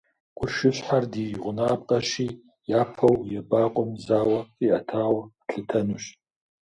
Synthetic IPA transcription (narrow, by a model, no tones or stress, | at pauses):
ɡ̥ʷʊrʃɪɕħardijʁʷʊnaːpqʼɐʃiː | jaːpʰɐwjɛbaːqʷʼɔmzaːwɐiɐtʰaːwɐːɬɨtʰɐnuɕ